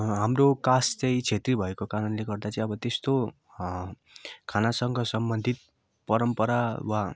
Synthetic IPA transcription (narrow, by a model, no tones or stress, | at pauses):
ɦamrokast͡sʌĩt͡sʰet̪ribʱʌekokaɾʌnleɡʌrd̪at͡sʌĩʌbʌt̪est̪o | kʰanasʌŋɡʱʌsʌmbʌnd̪ʱit̪̚ | pʌɾʌmpʌɾawa